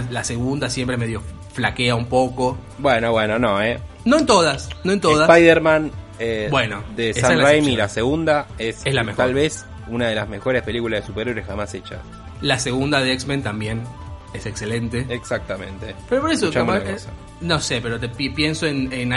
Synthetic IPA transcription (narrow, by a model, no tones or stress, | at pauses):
lase̞ɣund̪asjempɾemeðjo̞ | flakeaumpo̞ko̞ | bwenoβweno̞nõe | noent̪oðasnoent̪oðaspajðeɾmãn | ebwenod̪esesarajmilaseɣund̪aeseslamexalβes | unaðe̞lazme̞xo̞ɾespe̞likulaðesupeɾeɾesxamaset͡ʃa̰s | lase̞ɣund̪aðeeksmẽnt̪ambje̞n | esekse̞lent̪eeksak̚t̪amẽnt̪epeɾopoɾes̬ot͡ʃaamaosa | no̞se̞peɾot̪eppje̞nsoenena